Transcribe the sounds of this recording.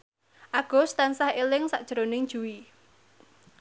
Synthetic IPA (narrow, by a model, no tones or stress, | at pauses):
ʔaɡ̥ɔ̤st̪ansahelɪŋsaʔd̥ʒ̥ɾonɪŋd̥ʒ̥ṳwi